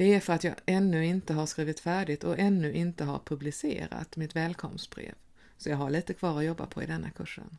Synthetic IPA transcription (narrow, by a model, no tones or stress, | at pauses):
d̪̥ɛæɾfœɾat̪jɑːʔɛnːɵɪnt̪əɦaɾʂkɾiːvɪt̪fæːɖɪt̪ɔɛnːɵʔɪnt̪əɦa̰ɾpʰɵblɪsḛːɾa̰t̪mɪt̪vɛːlkʰɔ̰msb̥ɾḛːv | sɔjɑːɡɦaɭiːt̪əkʰv̥ɑːɾɔjɔbːa̰pʰɔɪ̰d̪ɛnːakʰɵʂːə̰n